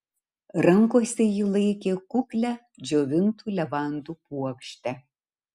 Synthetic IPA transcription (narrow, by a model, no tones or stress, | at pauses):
ɾɐŋkoːsʲɛjɪlˠɐɪkʲeːkʊkʲlʲæ | d͡ʒʲoːʋʲɪnt̪uːlʲɛʋɑˑnd̪uːpuɔkʃʲt̪ʲɛ